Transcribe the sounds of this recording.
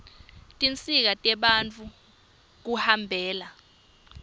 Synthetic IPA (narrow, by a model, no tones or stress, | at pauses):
tʼint͡sʼik̬atʼɛɓant͡fʰu | k̬uhambʱɛːla